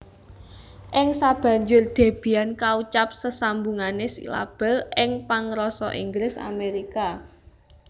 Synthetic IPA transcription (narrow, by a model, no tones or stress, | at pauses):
ʔɪŋsab̥ä̤ɲd͡ʒʊrd̪̥e̤b̥i̤ankaut͡ʃap̚səsambuŋanesḭla̰b̥ɛ̤lɪŋpaŋɾɔsɔ̰ʔiŋɡɾɪsa̰meɾika